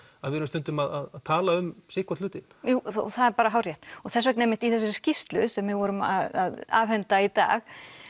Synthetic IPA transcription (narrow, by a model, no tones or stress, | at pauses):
aðvɪðɾʏmst̪ʏnt̪ʏmaðaðaðt̪ʰaːlaʏmsɪhkvat̪lʏːt̪ɪnjuːɔ̰θaðɛɾpaːɾaɦawrjɛht̪ɔθɛsvɛk̬̚nejmɪht̪iθɛs̬ːɪ̥scist̪lʏsɛmːɪðvɔːɾʏma̰ðaðaːvhɛnt̪ait̪a̰ːx